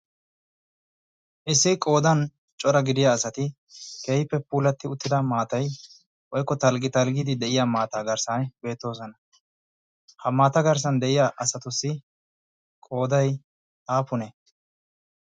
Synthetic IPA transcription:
ʔɪsːɪkʼo̞ːd̪ɐn | t͡ʃʼɔɾɐɡɪd̪ɪjaːsɐt̪ɪ | k̪eːhɪpːɛpuːlɐt̪ːɪʊt̪ːɪd̪ɐmaːt̪ɐj | wɔjkːɔt̪ɐlɡɪt̪ɐlɡid̪ɪd̪ɛʔɪjamaːt̪aːɡɐɾsɐnbe̞ːt̪ːo̞ːzɔnɐ | hɐmaːt̪ɐɡɐɾs̬ɐnd̪ɛʔɪjaʔɐsɐt̪ʊsːɪ | kʼo̞ːd̪ɐj | aːpʊnɛ

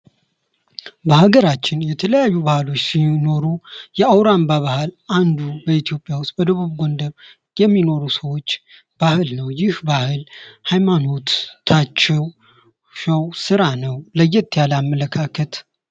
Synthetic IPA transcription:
bəhaɡəɾat͡ʃːɪnjɛt̪ʰələjajːubahalo̞t͡ʃːsino̞ɾujɛawɾambaβahalʔand̪ubəit̪ʰijo̞pʼːjawʊst̪̚bəd̪əβuβɡond̪əβ | jɛmːino̞ɾusəwo̞t͡ʃː | b̥ahɨlnəwjɪhbahɨlhajmano̞t̪t̪ʰat͡ʃːɛw | ʃəwsɨɾanəwləjːɛt̪ʰːijalamːələkʰakʰət̪

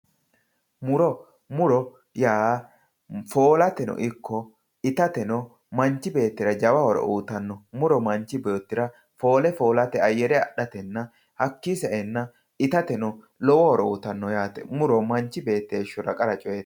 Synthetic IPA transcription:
mʊɾɔ | mʊɾɔ | jaː | fo̞ːlɐt̪ɛnɔ̰ʔɪkʰːɔ | ɪt̪ɐt̪ɛnɔ | mɐɲt͡ʃːɪbe̞ːt̪ːɪɾɐd͡ʒɐwɐhɔɾɔ̰ʔuːt̪ɐnːɔmʊɾɔmɐɲt͡ʃːɪbo̞ːt̪ːɪɾɐ | fo̞ːlɛfo̞ːlɐt̪ɛɐjːɛɾɛɐɗɐt̪ɛnːɐ | hɐkːisɐʔɛnːɐ | ɪt̪ɐt̪ɛnɔ | lɔwɔhɔɾɔuːt̪ɐnːɔjaːt̪ɛ̰mʊɾɔmɐɲt͡ʃːɪbe̞ːt̪ːeːʃʊɾɐkʼɐɾɐt͡ʃʼɔjet̪

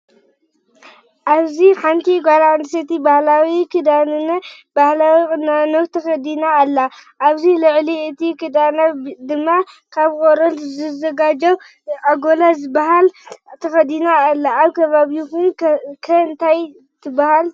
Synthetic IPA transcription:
ʔaβziħant̪ʰiɡaland̪ɨsɐt̪ibahlawikʰɨd̪anɨnɐ | bahlawikʼɨnanowt̪ʰɐxɐd̪inaːlːaʔaβzilɨʕliɨt̪ʰikɨd̪anad̪ɨmːa | kʰaβkʼoɾɐlzɨzɐɡad͡ʒɐw | ʔaɡolazɨbahalt̪ʰɐxɐd̪inaːlːaːβkʰɐβaβiukunkʰɐɨnt̪ʰaj | t̪ʰɨbahal

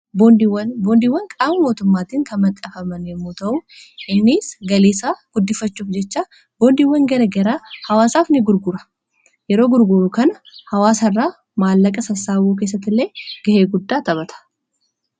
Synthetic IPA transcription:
bod̪wɐnboːnd̪ɪwːɐŋkʼaːmːɐmo̞ːt̪ʊmːaːt̪iːŋkɐmɐkʼːɐfɐmɐnjɛmːuːt̪ɐʔʊɪnːisɡɐleːsaːɡ̥ʊd̪ːɪfːɐt͡ʃːuːfd͡ʒɛt͡ʃːaː | boːnd̪ɪwːɐŋɡɐɾɐɡɐɾaːhɐwaːsaːfnɪɡʊɾɡʊɾɐ̥ | jɛɾo̞ːɡʊɾɡʊɾʊkɐnɐhɐwaːsɐrːaː | maːlːɐkʼɐsɐsaːbuːk̬eːs̬ːɐt̪ːɪlːeːɡ̥ɐheːɡʊd̪ːaːt̪ɐβɐt̪ʰɐ̥

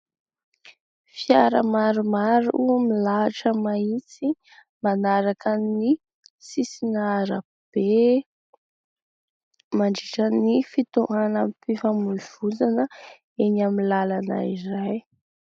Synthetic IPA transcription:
fiaɾəmaɾumaɾuuamilaaʈ͡ʂəmait͡si | manaɾakəni | sisinaɾə | b̥e | maɳɖ͡ʐiʈ͡ʂənifit̪uʔanamipifamuliv̥ud͡zanə | enamilalana̰iɾaj

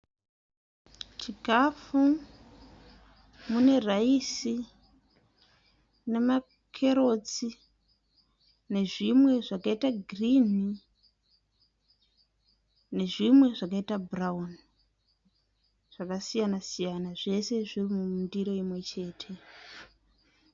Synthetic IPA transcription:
t͡ʃikafu | mune̞raisi | ne̞ma | kʰe̞ɾo̞t͡si | ne̞ʐimwe̞ʐakaitaɡʱrini | ne̞ʐimwe̞ʐakaitabraun | ʐ̥akasijanasijanaʐe̞se̞ʐirimumundiɾo̞imwe̞t͡ʃe̞ːtʰe̞

